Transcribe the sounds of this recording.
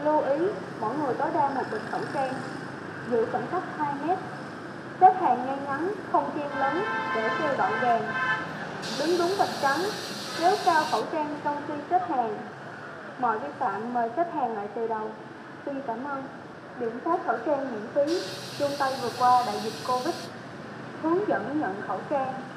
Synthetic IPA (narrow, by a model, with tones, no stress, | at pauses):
lu˧ʔi˨˦ | mɔ̰˧˩jŋɨ˨˩əjt̪o˨˦jɗaː˧mo˨˩t̚ɓï˨˩ŋ̟fə̰˧˩wt͡ɕaː˧ŋ | zɨ̰˧˥˨fə̰˧˩nxa˦˥jk̟̚haː˧jmɛ˦˥t̚ | se˦˥t̚haː˨˩ŋŋɛ˧ŋa˨˦nxə˧wŋ͡mt͡ɕi˧nləː˨˦nɗe˧˩sə˧˩ɗɔ̰˧˨nzaː˨˩ŋ | ɗɨ˨˦ŋɗʊ˨˦ŋ͡mt̪ʰə˨˩t̚t͡ɕa˨˦n | ne˨˦wkaː˧wxə̰˧˩wt͡ɕaː˧ŋt͡ɕə˧wŋ͡mt̪i˧se˦˥t̚haː˨˩ŋ | mɔ̰˧˨jvi˧nta̰ː˧˨nməː˨˩se˦˥t̚haː˨˩ŋla̰ː˧˨jt̪ɨ˨˩ɗə˨˩w | swi˧nkaː˧˩mʔəː˧n | ɗḭ˧˨ənfaː˦˥t̚xə̰˧˩wt͡ɕaː˧ŋɲḭ˧˨ənfi˨˦ | t͡ɕʊ˧ŋ͡mt̪a˧jvɨ˨˩əkwaː˧ɗa̰ː˧˨jzi˨˩t̚ko˧vï˦˥t̚ | hɨ˨˦əŋzə̰˧˥nɲə̰˧˨nxə̰˧˩wt͡ɕaː˧ŋ